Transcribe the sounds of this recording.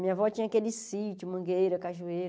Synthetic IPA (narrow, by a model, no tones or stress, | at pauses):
mĩɲɐvɔt͡ʃĩɲɐakelɪsit͡ʃʊmɐ̃ɡejɾɐkaʒuejɾ